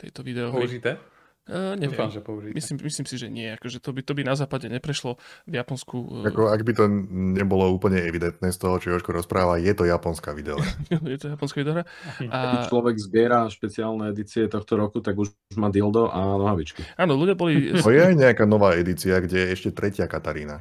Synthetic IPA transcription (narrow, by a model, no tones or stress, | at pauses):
t̪ɛ̰jt̪ɔʋid̪ɛɔɦɾiit̪ɛ | ɲɛɛamʒɛpɔuʒimisimmisliːmsiʒɛɲɪɛakɔʒɛt̪ɔbit̪ɔbinazaːpaɟɛɲɛpɾɛʃlɔvjapɔnskuakɔaɡbit̪ɔɲɛbɔlɔuːpl̩ɲɛɛʋid̪ɛnt̪nɛːst̪ɔɦɔt͡ʃɔɔʃkɔɾɔspɾaːʋajɛt̪ɔjapɔnskaʋid̪ɛɔ̰ɾaajɛt̪ɔjapɔnskaʋid̪ɛɔɦɾaat͡ʃlɔʋɛɡzbɪɛɾaʃpɛt͡siaːlnɛɛd̪it͡siɛt̪ɔxt̪ɔɾɔkut̪aɡu | ʒmad̪ild̪ɔʔanɔɦaʋit͡ʃkiaːnɔluɟɪjabɔliɔjɛajɲɛakaːnɔʋaːɛd̪it͡siaɡɟɛjɛɛʃcɛt̪ɾʔɛcɪakat̪aɾiːna